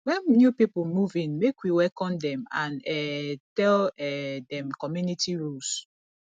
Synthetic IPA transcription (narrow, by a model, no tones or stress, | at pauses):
wɛ̃nnjupipumuvĩnmekwiwɛkɔ̃ndɛ̃mãnɛtɛlɛdɛ̃mkɔmjunitiɹus